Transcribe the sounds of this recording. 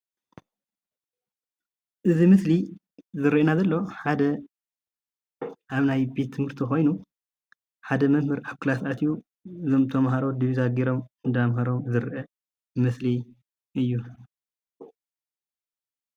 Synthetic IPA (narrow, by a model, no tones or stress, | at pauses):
ʔɨzimɨsli | zɨɾʔɨnazɐlːo̞ħad̪ɐ | ʔaβnajbe̞t̪ʰːɨmhɨɾt̪ʰixo̞jnu | ħad̪ɐmɐmhɨɾaβkʰɨlasat̪ʰju | ɨzomt̪ʰɐmɦaɾo̞d̪iβizaɡiɾo̞mnd̪amhɐɾo̞mzɨɾʔɐ | mɨsli | ʔɨjːu